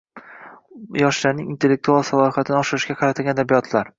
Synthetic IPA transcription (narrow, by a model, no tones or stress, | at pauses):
jɒʃlaɾnɪŋint̪ʰe̞lːek̚t̪ʰualˠsalˠɒɪfat̪ʰɪnɪɒʃɪɾɪʃɡʲaqʰɑɾat̪ʰɪlɡʲanːad̪abijɒt̪ʰlaɾ